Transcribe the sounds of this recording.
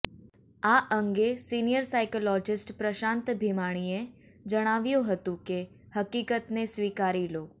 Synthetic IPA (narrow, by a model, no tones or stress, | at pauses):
aʔə̃ŋɡesinijəɾsaɪkolɔd͡ʒɪsʈpɾəʃãnt̪bʱimaɽ̃ie | d͡ʒəɽ̃aʋjoɦət̪ũke | həkikət̪nesʋiːkaɾiloː